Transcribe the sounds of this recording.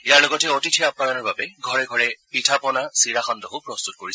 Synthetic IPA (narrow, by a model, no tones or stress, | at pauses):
ijaɹlɔɡɔtɛotitʰijapːananɔɹbabɛɡʱɔɹɛɡʱɔɹɛpitʰapɔnasiɹaxɔndɔɦupɹɔst̪ut̚koɹis